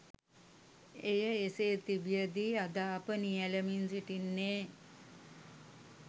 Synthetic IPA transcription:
ejəeseːt̪ibijəd̪iad̪aːpənijæləminsiʈinːeː

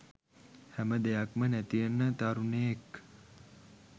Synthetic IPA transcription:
hæməd̪ejakmənæt̪ijənːət̪aɾuneek

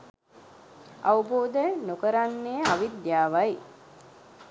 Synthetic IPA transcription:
aʋuboːd̪ənokəɾanːeːaʋid̪jaːʋaj

